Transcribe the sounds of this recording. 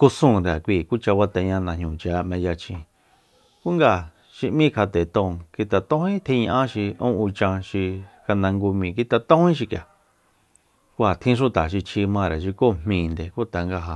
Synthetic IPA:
ku˧sũː˧˨ɾa˨kʷi˧˨ku˦t͡ʃa˧βa˧t̪ẽ˧ɲã˧nã˧ɲũ˧˨t͡ʃa˧ʔmẽ˧ja˧t͡ʃĩ˧˨ | ku˦ŋɡa˧˨ | ʃi˧ʔmĩ˦kʰa˧t̪e˨t̪õ˧˨ki˧t̪a˧t̪õ˦hĩ˦t̪ʰe˧ɲã˧ʔã˦ʃi˧õ̰˦u˧t͡ʃã˧ʃi˧ka˧nã˧ŋɡu˧mĩ˨ki˧t̪a˧t̪õ˦hĩ˦ʃi˧kja˨ | ku˧˦ha˨t̪ʰĩ˦ʂ̬u˦t̪a˨ʃi˧t͡ʃʰi˧mã˧ɾe˨ʃ̬i˧ko˦˨m̥mĩː˧˨˧nd̪e˨ku˦t̪a˨ŋɡa˧ɦa˧

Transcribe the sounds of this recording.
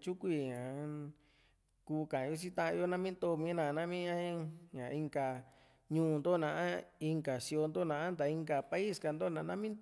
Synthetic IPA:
t͡ʃu˦kʷi˧ɲã˨ | kuː˧˦kã˨˧jo˧˦t͡ʃi˦t̪ã˧ʔã˧jo˦nã˦mĩ˦nd̪o˧mĩ˧˦nã˧˨˧nã˦mĩ˦ã˦ĩ˦ɲã˨˧i˧ŋɡa˨ | ɲũː˦nd̪o˦˨nã˧ʔã˦i˧ŋɡa˨si˧o˧nd̪o˦nã˧˨ʔã˦nd̪a˨i˧ŋɡa˨pa˧i˦˨ska˧nd̪o˦˨nã˧˨˧nã˦mĩ˦n

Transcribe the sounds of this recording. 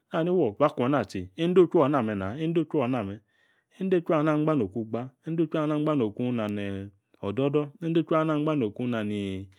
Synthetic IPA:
n˦a˦˨ni˦wɔ˨va˦kʷa˨na˨ti˨e˦n̩˦do˦t͡ʃu˦a˨˦na˨mɛ˨na˨˦e˦n˦do˦t͡ʃu˦a˨˦a˨mɛ˨ | e˦n̩˦de˦t͡ʃu˦a˨na˦˨ŋ͡m̩˦ɡ͡ba˦no˨ku˦ɡ͡ba˦e˦n̩˦o˦t͡ʃʷna˦ɡ͡ba˦no˨ku˦na˨nɛ˨ | ɔ˨dɔ˦dɔ˦e˦e˦t͡ʃu˦a˦na˦ŋ͡m̩˦a˦no˨ku˦na˨ni˨

